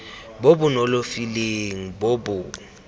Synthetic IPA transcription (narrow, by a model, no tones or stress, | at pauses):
bobʊnolofileŋ̩bobʊ